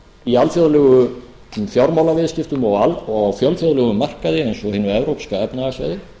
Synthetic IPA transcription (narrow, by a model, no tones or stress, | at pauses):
ialfjɔðlɛɣʏ | fjawɾmawlavɪðscɪft̪ʏmɔɣalɔwfjɔlfjoðlœɣʏmar̥kaðɪɛjnsɔhɪːnːʏɛvɾowkskaɛpnaasa̰jðɪ